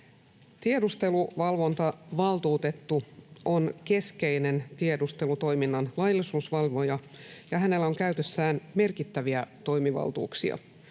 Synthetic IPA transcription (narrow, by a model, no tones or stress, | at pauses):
t̪iedust̪e̞luʋɑlʋo̞nt̪ɑʋɑlt̪uːt̪e̞t̪ːuo̞nke̞ske̞ine̞nt̪iedust̪e̞lut̪o̞jminːɑnlɑjlːisuːsʋɑlʋo̞jɑ | jɑɦæne̞lːæo̞ŋkæyt̪ø̞sːæːnme̞rkit̪ːæʋiæt̪o̞jmiʋɑ̰lt̪ṵːksiɑ̰